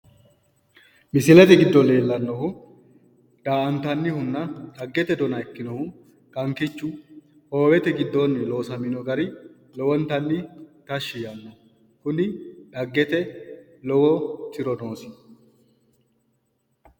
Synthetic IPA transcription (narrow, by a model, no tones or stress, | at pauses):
mɪsɪlɛt̪ɛɡɪd̪ːɔle̞ːlːɐnːɔhʊ | d̪̥aːʔɐnt̪ɐnːɪhʊnːɐᶑɐɡːɛt̪ɛd̪ɔnɐɛkːɪnɔhʊ | kɐŋkɪt͡ʃːʊ | ho̞ːwɛt̪ɛɡɪd̪ːo̞ːnːɪlo̞ːsɐmɪnɔɡɐɾɪ | lɔwɔnt̪ɐnːɪt̪ɐʃːɪjɐnːɔ | kʊnɪᶑɐɡːɛt̪ɛ | lɔwɔt̪ɪɾɔno̞ːsɪ